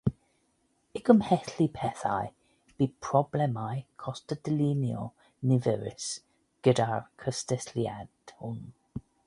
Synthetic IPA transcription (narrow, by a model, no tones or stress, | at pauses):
ɪɡəmhɛθlipʰɛθa̰j | b̥iːpʰr̥ɔblɛmajkʰɔstədəlinjɔ | nɪvɛɾɪ̰s | ɡ̥ədarkʰəstɛslja̰d̥hʊn